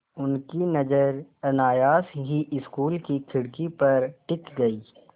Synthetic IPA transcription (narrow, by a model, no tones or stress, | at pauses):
ʊnkinɐd͡ʒəɾɐnaːjaːsɦiʔɪskuːlkikʰɪɽkipɐɾʈɪkɡɐiː